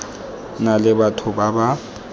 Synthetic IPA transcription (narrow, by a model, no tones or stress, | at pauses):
nalɪbatʰʊbaba